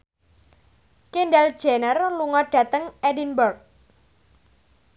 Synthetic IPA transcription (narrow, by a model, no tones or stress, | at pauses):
kinɖɛld̥ʒ̥enərluŋɔɖ̥ä̤t̪əŋɛdinbərk̚